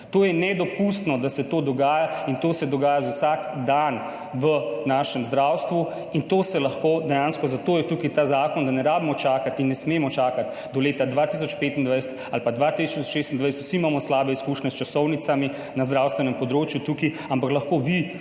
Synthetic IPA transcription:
t̪oːjɛnɛd̪ɔpust̪nɔd̪asɛt̪oːd̪ɔɡaːjaint̪oːsɛd̪ɔɡaːjazawsakd̪an | ʋənaːʃɛmzd̪ɾawst̪ʋu | int̪oːsɛlɐxkoːd̪ɛjaːnskɔzat̪oːjɛt̪ukit̪aːzaːkɔnd̪anɛɾaːbimɔt͡ʃaːkat̪inːɛsmeːmɔt͡ʃaːkat̪ | d̪ɔleːt̪ad̪ʋat̪is̬ɔt͡ʃpeːt̪ind̪ʋajsɛ̥t̪alpad̪ʋat̪isɔiɔʃeːst̪ind̪ʋajsɛt̪u̥siːmaːmɔslaːbɛiskuːʃnɛst͡ʃasɔwnit̪sami | nazd̪ɾawst̪ʋɛnɛmpɔd̪ɾoːt͡ʃjut̪uki | ampaklɐxkoːʋi

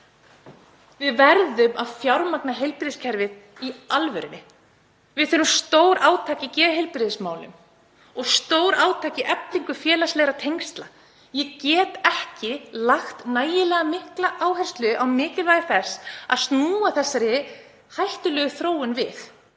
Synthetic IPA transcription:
vɪðvɛɾðʏmaðfjawɾmaknaɦejlpɾɪðscʰɛɾvɪðialvʏɾɪnːɪ | vɪðθɛɾʏmst̪oːwɾʔaːwt̪ʰaːcɪcɛːðɪɦejlpɾɪðɪsmaːwlʏ̰m | ɔɣst̪oːwɾaːwt̪ʰaːcɪʔɛpliŋkʏfjɛːlaslɛːɣɾat̪ʰejŋst̪la | jɛcɛːt̪ɛhcɪlaxt̪naːjɪlɛːɣamɪhklaʔaːwɦɛr̥st̪lʏʔawmɪːcɪlvaːjɪθɛsa̰ðst̪nuːaθɛsːaɾɪ | hajht̪ʏlœːɣʏθɾoːwʏnvɪθ

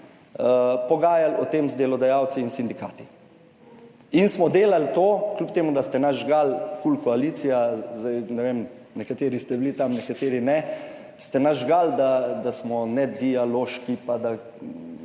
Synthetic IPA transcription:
pɔɡaːjalɔt̪eːmzd̪elɔd̪ajaw̪siːnsind̪ikaːt̪i | insmɔd̪eːlalt̪oːklup̚t̪eːmud̪ast̪ɛnaʒɡalkulkɔaliːt̪sijazd̪ajnɛʋeːm | nɛkat̪eːɾist̪ɛblit̪amnɛkat̪eːɾinɛ | st̪ɛnaʒɡald̪ad̪asmɔnɛd̪ialoːʃkipad̪a

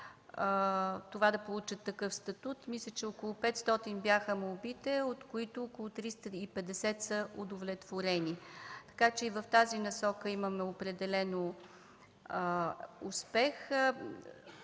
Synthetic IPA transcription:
t̪ovad̪ɐpolˠut͡ʃət̪ːɐkɤfst̪ɐt̪ut̪mislʲət͡ʃɛokolˠʊpɛt̪st̪ɔt̪inbjaxəmolbit̪ɛot̪koit̪oːkolˠʊt̪ɾist̪əipɛd̪ɛsɛt̪səʔod̪ovlɛt̪voɾɛnit̪ɐ̥kat͡ʃɛivɐft̪azinɐsɔkəimɐmɛopɾɛd̪ɛlɛno | uspɛx

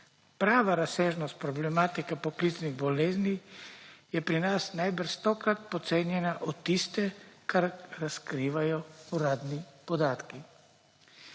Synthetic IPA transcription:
pɾaːʋaɾaseːʒnɔst̪̚pɾɔblɛmaːt̪ikɛpɔklit̪sniɣbɔleːzni | jɛpɾinasnajbəɾst̪ɔːkɾat̪̚pɔt̪seːnjɛnaʔɔt̪ːist̪ɛkʰaɾɾaskɾiːʋajɔuɾaːd̪nipɔd̪aːt̪ki

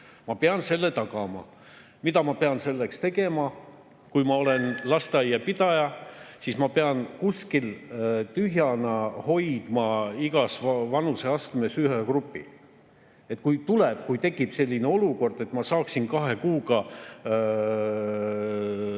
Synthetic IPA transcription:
mɑpeɑnse̞lːe̞t̪ɑkɑmɑ̰ | mit̪ɑmɑpe̞ɑnse̞lːekst̪e̞ɡe̞mɑ | kujmɑo̞lenlɑst̪ɑjːɑpid̪̥ɑjɑsismɑpe̞ɑnkuskilt̪yɦjɑnɑho̞jd̪̥mɑiɡɑsvɑnuse̞ɑst̪me̞syɦekrupːˑḭ | e̞t̪ːˑkujt̪uleb̥̚kujt̪e̞kːˑib̥se̞lʲːineo̞luko̞rd̪e̞t̪mɑsɑːksinkɑɦekuːɡ̥ɑ

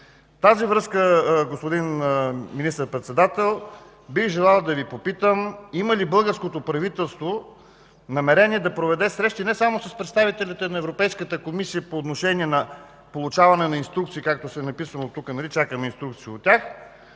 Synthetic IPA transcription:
t̪azivɾɤskəɡospod̪inminist̪əɾpɾɛt̪sɛd̪at̪ɛlˠ | biɣʒɛlˠalˠd̪ɐvipopit̪əmimɐlibɤlˠɡəɾskot̪opɾɐvit̪ɛlˠst̪vo | nɐmɛɾɛniɛd̪ɐpɾovɛd̪ɛsɾɛʃt̪inɛsamosɐspɾɛt̪st̪avit̪ɛlʲit̪ɛnɐɛvɾopɛjskət̪əkomisijəpoːt̪noʃɛniɛnɐ | polˠut͡ʃavɐnɛnɐinst̪ɾukt̪siːkak̚t̪osɛnɐpisənot̪ːukənɐlit͡ʃakəmɛinst̪ɾuk̚t̪siiot̪ʲːax

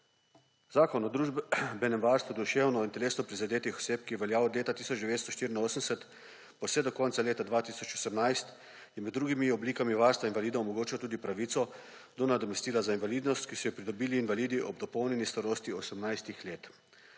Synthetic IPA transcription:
zaːkɔnɔd̪ɾuʒbɛnɛmʋaːɾst̪ʋud̪uʃewnɔint̪ɛleːsnɔpɾizad̪eːt̪ixɔ̥seːpkijɛʋɛljaːɔd̪leːt̪at̪iːsɔd͡ʒd̪ɛʋeːt̪st̪ɔʃt̪iːɾinoːsənsɛt̪ | pɔwsɛd̪ɔkɔːnt̪saleːt̪ad̪ʋaːt̪iːsɔt͡ʃɔsəmnajst̪ | jɛmɛd̪ːɾuːɡimiɔbliːkamiʋaːɾst̪ʋainʋaliːd̪ɔmɔɡoːt͡ʃiwt̪uːd̪ipɾaʋiːt̪sɔ | d̪ɔnad̪ɔmɛst̪iːlazainʋalid̪nɔst̪kisɔjɔpɾid̪ɔbiːliːnʋaliːd̪iʔɔb̚d̪ɔpɔwnɛnist̪aɾoːst̪iɔsəmnajst̪ixleːt̪

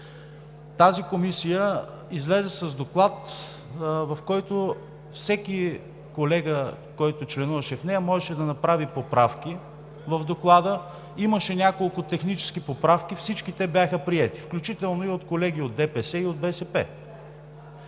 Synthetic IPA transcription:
t̪azikomisijə | izlɛzɛsɐzd̪oklˠat̪ | vɐfkɔjt̪o | fsɛk̟i | kolɛɡə | kɔjt̪ot͡ʃlɛnuvɐʃɛfnɛjɐmɔʒɛʃɛd̪ɐnɐpɾavipopɾafkʲi | vɐvd̪oklˠad̪ə | iməʃɛnʲakolˠkʊt̪ɛxnit͡ʃɛ̥sk̟ipopɾafkifsit͡ʃkit̪ɛbʲjaxəpɾiɛt̪i̥fklʲut͡ʃit̪ɛlˠnoiot̪kolɛɡ̟iod̪ɛpɛsɛiod̪̚bɛsɛpɛ̰

